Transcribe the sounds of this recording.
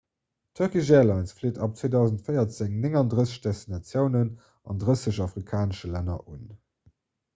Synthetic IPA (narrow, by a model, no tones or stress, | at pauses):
tʰœɐkiʒɛːlɑɪnsfleːtɑp̚t͡sweːdɑʊzəntfɜjɐt͡sɪŋnɪŋɑndʁəsəɕd̥ɛstinɑt͡sjəʊnən | ɑ̰ndʁəsəɕɑfʁikʰaːnəʃəlænɐ̰ʔun